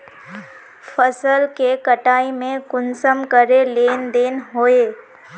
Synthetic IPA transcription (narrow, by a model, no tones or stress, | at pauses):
fʰəsəlkekəʈaːimẽkʊnsəmkəɾeleːnd̪eːnɦoːeː